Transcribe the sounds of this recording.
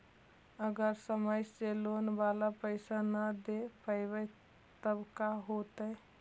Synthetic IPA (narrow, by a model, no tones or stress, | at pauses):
əɡəɾsəməjselonbalapəɪsanəd̪epəɪbəɪ | t̪əbkaɦot̪ə